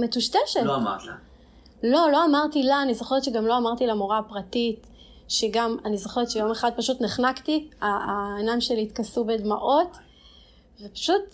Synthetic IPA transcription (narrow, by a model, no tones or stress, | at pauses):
metuʃteʃetat | lo̞lo̞amaʁtilaːnizoχeʁetʃeɡamlo̞amaʁt̪ilamoʁapʁatit | ʃeɡamanizoχeʁetʃejo̞meχad̪̚paʃutneχnaktiaenamʃeliːt̪kasubedmaʔo̞t | vepḁʃut